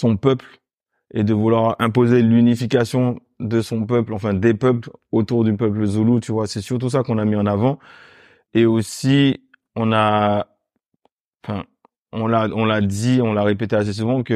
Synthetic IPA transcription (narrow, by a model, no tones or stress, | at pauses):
sɔ̃pœpl | ed̪əvulwaʁɛ̃pozelynifikasjɔ̃ | d̪əsɔ̃pœplɑ̃fɛ̃d̪epœplot̪uʁd̪ypœpləzulut̪yvwasɛsyʁt̪us̬akɔ̃namiɑ̃navɑ̃ | eosi | ɔ̃na | ɑ̃fɛ̃ | ɔ̃laɔ̃lad̪iɔ̃laʁepet̪ɛas̬es̬uvɑ̃kə